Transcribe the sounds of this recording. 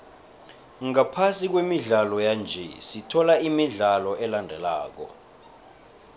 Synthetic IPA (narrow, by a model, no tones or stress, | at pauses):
ŋapʰasik̬wemiɮalɔjand͡ʒʱɛ̰sitʰɔlaimiɮalɔʔɛlandʱɛla̰ːk̬ɔ̰